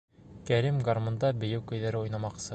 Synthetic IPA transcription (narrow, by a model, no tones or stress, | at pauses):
kæɾimɡarmŏnd̪ɑbɘ̆jɘwkɵ̆jðæɾɘujnɑmɑqsɤ